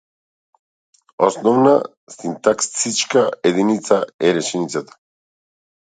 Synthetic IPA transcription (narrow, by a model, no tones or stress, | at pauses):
osnɔvna̰ | sint̪akssit͡ʃkaed̪init̪saɛɾɛʃɛnit̪sat̪ḁ